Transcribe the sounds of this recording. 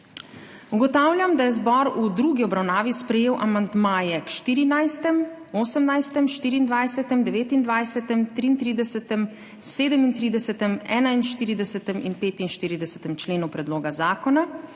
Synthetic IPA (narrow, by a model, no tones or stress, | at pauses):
uɡɔt̪aːwlʲjamd̪ajɛzbɔɾud̪ɾuːɡiɔbɾawnaːʋispɾɛjeːwʔamand̪maːjɛkʃt̪iːɾinajst̪ɛm | oːsəmnajst̪ɛmʃt̪iːɾiːnd̪ʋajsɛt̪ɛmd̪ɛʋeːt̪ind̪ʋajsɛt̪ɛmt̪ɾiːnt̪ɾiːd̪ɛsɛt̪ɛm | seːd̪ɛmint̪ɾiːd̪ɛsɛt̪ɛmɛːnainʃt̪iːɾid̪ɛsɛt̪ɛmḭnpeːt̪inʃt̪iːɾid̪ɛsɛ̥t̪ɛmt͡ʃleːnupɾɛd̪loːɡazaːkɔna